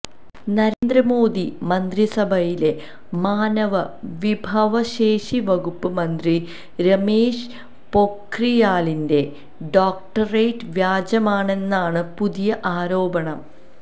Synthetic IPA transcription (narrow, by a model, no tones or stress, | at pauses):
nɐɾend̪ɾɐmo̞ːd̪imɐnd̪risɐbʱɐjile̞ | maːnɐʋɐʋibʱɐʋɐɕe̞ːʂiʋɐɣupːɨmɐnd̪ri | ɾɐmeːʂ | po̞krijaːlinde̞ | ɖoːk̚ʈɐrejʈʋjaːd͡ʑɐmaːɳe̞nːaːɳɨpuðijɐʔaːɾo̞ːbɐɳɐm